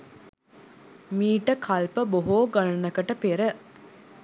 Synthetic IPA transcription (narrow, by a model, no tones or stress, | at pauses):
miːʈəkʰalpəboɦoːɡalɐnəkəʈəpeɾə